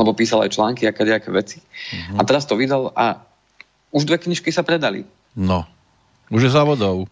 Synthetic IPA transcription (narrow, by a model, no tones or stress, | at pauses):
lɛbɔpiːsala̰jt͡ʃlaːŋkiakɛdɛakɛːʋɛt͡si̥at̪ɛɾast̪ɔʋid̪ala | uʒd̪ʋɛkɲiʃkisapɾɛd̪alḭ | nɔ | uʒjɛzaʋɔd̪ɔʊ